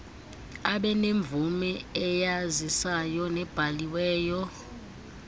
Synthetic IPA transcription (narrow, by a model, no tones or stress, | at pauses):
aɓɛneɱb̪vumɛɛjazisajɔnɛb̥ʱaliwɛːjɔ